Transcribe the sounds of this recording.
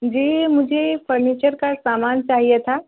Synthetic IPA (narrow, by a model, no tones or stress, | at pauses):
d͡ʒiːmʊd͡ʒʱefʰəɾniːt͡ʃəɾkasaːmaːnt͡ʃaːɦijet̪ʰaː